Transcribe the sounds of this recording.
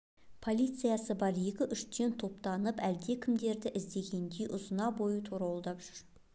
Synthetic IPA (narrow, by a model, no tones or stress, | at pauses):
pʰo̞lʲˠijt̪sɨjasəbɑɾje̞kʲɪʔʏʃt̪e̞nt̪ʰo̞pt̪ɑnəpæld̪e̞kʲʰɪmd̪e̞ɾd̪ɪʔɪzd̪e̞ɡʲe̞nd̪e̞jʔʊzənɑbo̞jət̪ʰoɾɑwlˠd̪ɑpʒ̥ʏɾ